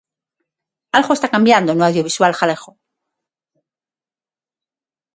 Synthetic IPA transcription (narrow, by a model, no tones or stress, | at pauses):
alxoe̞st̪akambjand̪onoawðjo̞βiswalxale̞xo